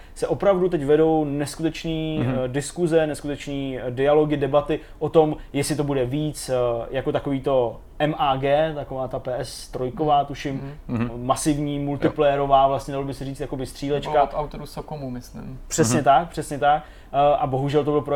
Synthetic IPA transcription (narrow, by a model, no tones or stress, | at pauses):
sɛʔo̞pɾavdut̪ɛcvɛdo̞wnɛskut̪ɛt͡ʃniːdɪskuzɛnɛskut̪ɛt͡ʃniːdɪalo̞ɡɪdɛbat̪ɪ | ʔo̞t̪o̞mjɛsɪt̪obudɛviːt͡sjakot̪ako̞viːt̪o̞ | ʔɛmʔaːɡɛːt̪akovaːt̪apɛːʔɛsːt̪ɾojkovaːt̪uʃɪmː | asɪvɲiːmult̪ɪplɛjɛɾo̞vaːvlast̪ɲɛdalobɪsɛriːt͡st̪jakobɪst̪r̝̥iːlɛt͡ʃkaawt̪oɾusokomumɪslɪ̰mpr̥ɛsɲɛt̪ak̚pr̥ɛsɲɛt̪ak̚ | ʔabo̞ɦuʒɛlt̪obɪlpɾo